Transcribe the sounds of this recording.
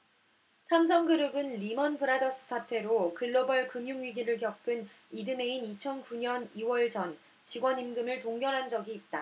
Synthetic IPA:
sʰamsʰʌŋɡɯɾɯbɯnlimʌnpʰɯɾadʌs͈ɯ̥sʰatʰe̞ɾokɯɭːobʌɭkɯmjuŋɥiɡiɾɯɭkjʌp̚k͈ɯn | idɯme̞init͡ɕʰʌnkuɲʌniwʌɭd͡ʑʌn | t͡ɕiɡwʌnimɡɯmɯɭtoŋɡjʌnɦand͡ʑʌɡiːt̚t͈a

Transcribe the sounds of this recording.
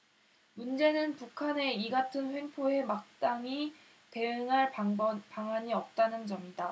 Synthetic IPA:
mund͡ʑe̞nɯnpukʰane̞iɡatʰɯnɸwe̞ŋpʰoe̞mak̚t͈aŋi | te̞ɯŋɦaɭpaŋɦwaɲiʌp̚t͈anɯnd͡ʑʌmida

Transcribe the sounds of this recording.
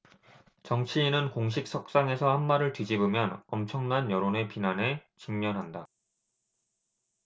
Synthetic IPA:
t͡ɕʌŋt͡ɕʰiːnɯnkoŋɕ̬ʰik̚s͈ʰʌk̚s͈aŋe̞sʰʌhanmaɾɯɭtid͡ʑibɯmjʌnʌmt͡ɕʰʌŋnanjʌɾone̞pinanɦe̞t͡ɕiŋmjʌnɦanda

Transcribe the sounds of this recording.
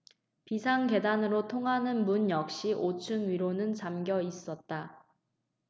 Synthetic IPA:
pisʰaŋke̞danɯɾotʰoŋɦanɯnmunjʌk̚ɕ͈iʔot͡ɕʰɯŋɥiɾonɯnt͡ɕamɡjʌis͈ʌt̚t͈a

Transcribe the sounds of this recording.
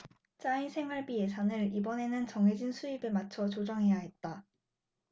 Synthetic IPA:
t͡ɕ͈aisʰe̞ŋwaɭbie̞sʰanɯɾibʌne̞nɯnt͡ɕʌŋɦe̞d͡ʑinsʰuibemat͡ɕʰʌt͡ɕod͡ʑʌŋɦe̞jaɦe̞t̚t͈a

